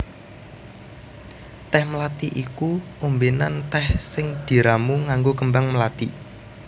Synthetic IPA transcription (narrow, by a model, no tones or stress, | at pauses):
t̪ɛhməlat̪iʔikuʔombenant̪ɛhsɪŋd̪̥i̤ɾamuŋaŋɡokəmbaŋməlat̪ḭ